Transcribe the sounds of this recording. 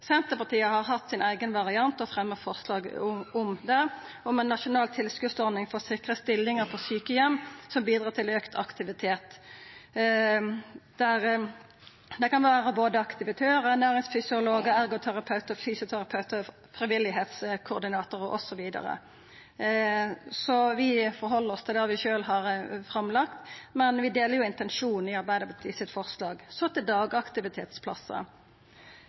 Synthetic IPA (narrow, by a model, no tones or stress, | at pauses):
sɛnt̪əpɑʁt̪ʰiːəhɑʁɦɑt̪ːsɪnæɪɡənʋɑʁɪɑnt̪ɔfɾɛmːəʁfɔʁslɑːɡ̰ʊmd̪ɛ | ɔmɛnːɑʃʊnɑːlt̪ʰɪlskʉsɔɾnɪŋfɔʁsɪkʁəst̪ɪlːɪŋəɾpʰɔsyːkəjɛmːsɔmbiːd̪ɾɑːt̪ʰɪløːkt̪ʰɑkt̪ɪʋɪt̪ʰeːt̪ | d̪̥æʁ | d̪ɛkɑnʋæːʁəboːd̪əɑkt̪ɪʋɪt̪ʰøːɾəɛnæːʁɪŋsfʏsɪʊloːɡəæɾɡʊt̪ʰæɾɑpʰɑʉt̪əfyːsʊt̪ʰæɾɑpʰœʉt̪ə | fɾɪʋɪlːɪɦeːt̪skʰʊɾd̪ɪnɑːt̪ʊɾəʔɔ̰sɔʋiːd̪ɑ̰ɾə̰ | sɔʋɪfɔɾɦɔlːəɾɔst̪ʰɪlæɾʋɪʃøːlɦɑɾfɾɑmlɑkt̪mɛnʋɪd̪eːləɾjʊɪnt̪ɛnʃuːn̩ɪɑɾbæɪd̪əbɑt̪ʰiːsɪt̪fɔɾslɑːɡsɔt̪ɛd̪ɑːɡɑkt̪ɪʋɪt̪ʰeːt̪spʰlɑ̰sə̰